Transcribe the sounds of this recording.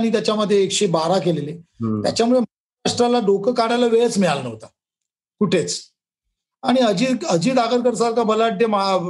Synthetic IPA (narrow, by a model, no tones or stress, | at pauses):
ñiːt̪̬jat͡ɕjaməd̪ʱjeːkɕebaɾakelelet̪ja̰t͡ɕamuɭemə | aaʂʈɾalaɖokəkaɽalaʋeɭt͡smiɭalnəʋt̪a | kuʈʰet͡s | aɽ̃iəd͡ʑiːəd͡ʑiːd̪akəɾkəɾsaɾkabəlaʈ̚d̪emə